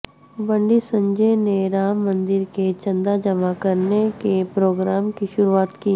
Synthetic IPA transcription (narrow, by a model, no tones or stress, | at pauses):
bə̃ɳɖisə̃ɲd͡ʒeneɾaːmːə̃nd̪ɪɾket͡ʃɐ̃nd̪ad͡ʒɐmakɐɾnekepɾoːɡɾaːmkiʃʊɾuaːt̪kiː